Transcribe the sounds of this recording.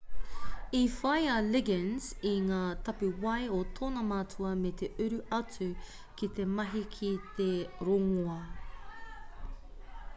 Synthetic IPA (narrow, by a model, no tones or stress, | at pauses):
ifɐjɐlɪɡənz̥iŋaːt̪ɐpʉwɐjotʰoːnɐmaːt͡sʰuɐmet̪eʔʉɾʉʔɐt͡sʉ | kit̪e̞mɐɦikʰit̪eɾoŋoɐ